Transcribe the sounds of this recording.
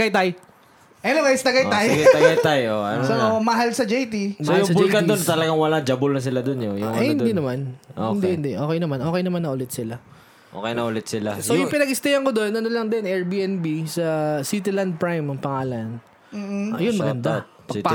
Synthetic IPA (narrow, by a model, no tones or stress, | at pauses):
ɡajt̪aj | ʔɐnoɡajst̪ɐɡajt̪ajɡt̪ɐɡajt̪ajʔoɐ̰nsoomɐɦalsɐd͡ʒejt̪imsojʊŋsɐbʊd͡ʒlkɐnd̪ont̪ɐlɐɡaŋwɐlad͡ʒɐbʊlnɐs̬ɪlad̪onjojʊŋɐɐjhɪnd̪iːnɐmanʔo̰kd̪ihɪnd̪ɛʔo̞ːkɛjnɐmanʔo̞ːkɛjnɐmanːɐʔʊlɛt̪̚sɪla | ʔo̰ːkɛjnɐʔʊlɛt̪̚sɪla̰sojʊŋpɪnɐɡɪst̪ɐjɐŋkod̪o̞nʔɐnolɐŋd̪ɪnɛɹbiːɛnbisɐsit̪ɪland̪̚pɹajmɐŋpɐŋaːlɐn | m̩ːɐjonmɐɡɐnd̪a | pɐ